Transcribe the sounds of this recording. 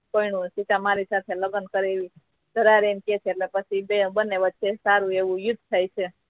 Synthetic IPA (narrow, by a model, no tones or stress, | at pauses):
koinũsit̪ãmaɾisat̪ʰeləɡənkəɾeʋi | d̪̥ʱəɾaɾemket͡ʃʰeeʈlepət͡ʃʰibebənːeʋətːʃesaɾũeʋũjʊd̪ʱt̪ʰajt͡ʃʰe